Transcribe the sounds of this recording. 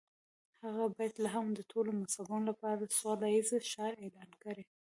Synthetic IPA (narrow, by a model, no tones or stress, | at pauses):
haɣabɑjad̪laɦamd̪ət̪ʰolomasabɑnolapɑɾad̪əswɑlajizʃɑɾelɑnkaɾe